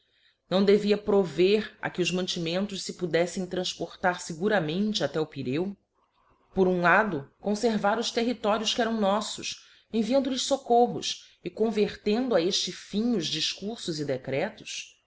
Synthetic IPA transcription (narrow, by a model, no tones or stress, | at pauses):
nɐ̃w̃d̪eviɐpɾoveɾɐ̰kɪʊzmɐ̃nt͡ʃimẽnt̪ʊʃsɪpud̪ɛsẽj̃t̪ɾɐ̃ʃpoɾt̪aɾsɪɡuɾɐmẽnt͡ʃɪat̪ɛʊpiɾew | poɾũlad̪ʊkõseɾvaɾʊʃt̪eɦit̪ɔɾiʊskɪɛɾɐ̃w̃nɔsʊs | ẽviɐ̃nd̪ʊlɪʃsokoɦʊ̰s | ɪkõveɾt̪ẽnd̪ʊaeʃt͡ʃɪfĩɲʊzd͡ʒiʃkuɾsʊzɪd̪ekɾɛt̪ʊ̥s